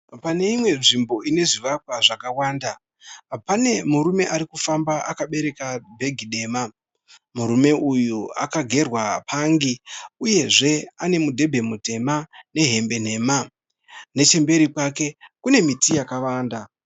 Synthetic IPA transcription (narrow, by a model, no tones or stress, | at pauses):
pane̞imwe̞nʐimbo̞ine̞ʐiʋakwaʐakawaːnda | pane̞muɾume̞ʔaɾikufambaʔakaɓe̞ɾe̞kabʱe̞ɡʱiɗe̞ːma | muɾume̞ʔujua̰kaɡʱe̞rwapʰaŋɡiuje̞ʐe̞ane̞mudʱe̞bʱe̞mute̞mane̞ɦe̞mbe̞n̤e̞ma | ne̞t͡ʃe̞mbe̞ɾipwake̞kune̞mitijakaʋaːnda